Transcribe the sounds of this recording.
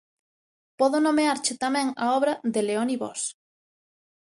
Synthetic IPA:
pɔðonomeaɾt͡ʃɪt̪amɛ̃ŋaɔβɾɐðeleoniβɔ̰s

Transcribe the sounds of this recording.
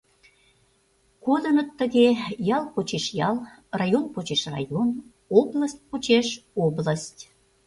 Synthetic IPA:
kod̪ə̆nət̪ːəɣejɑlˠpot͡ɕeʃjɑlˠ | rɑjonpot͡ɕeʃrɑ̰jon | obləsʲt̚ʲpot͡ɕeʃobləsʲtʲ

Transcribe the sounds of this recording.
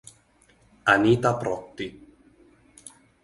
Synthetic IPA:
anit̪apɾɔt̪ːi

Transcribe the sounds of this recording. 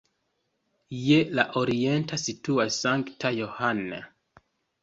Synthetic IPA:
jelaʔoɾientasituasaŋktʰajohana̰

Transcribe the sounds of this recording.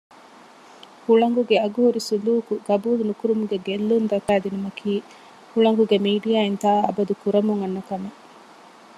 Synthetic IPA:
huɭɐŋɡuɡeɐɡuɦuɾisuluːkuɡɐbuːlunukuɾumuɡeɡelːund̪ɐkæːd̪inumɐkʰiː | huɭɐŋɡuɡemiːɖijaːint̪aːɐ̰bɐd̪ukuɾɐmuŋɐnːɐkɐme

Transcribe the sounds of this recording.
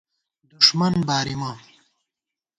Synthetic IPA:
d̪uʂmɐnbaːɾima

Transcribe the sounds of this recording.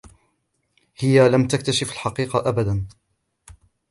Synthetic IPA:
hɪjalamt̪akt̪aʃɪfalħɑqiːqɑʔabad̪an

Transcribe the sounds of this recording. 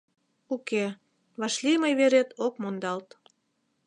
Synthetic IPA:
uke | βɑʃliməjβeɾet̪okmond̪ɑlt̪

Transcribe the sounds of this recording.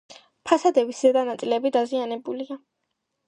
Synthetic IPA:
pʰasad̪ɛviszɛd̪anat̪sʼilɛbid̪azianɛbulia

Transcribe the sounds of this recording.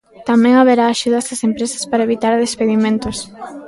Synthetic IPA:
t̪amɛ̃ŋaβeɾaːʃuðɐsɐsempɾesɐ̥spaɾɐeβit̪aɾðespeðimẽnt̪os

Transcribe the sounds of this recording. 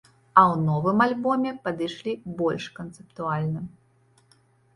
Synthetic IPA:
ɐwnɔvɨmalʲbɔmʲɛpɐd̪ɨjʂlʲibɔlʲʂkɐnt̪sɨp̚t̪ualʲnɨ

